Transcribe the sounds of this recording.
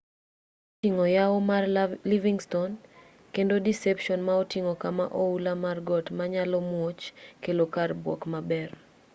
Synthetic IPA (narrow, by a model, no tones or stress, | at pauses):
tiŋɔjaomarliviŋston | kendodisɛpʃɔnmaotiŋokama̰ʔoulamarɡɔtmaɲalɔmwot͡ʃkelokarbwɔ̰kmabɛr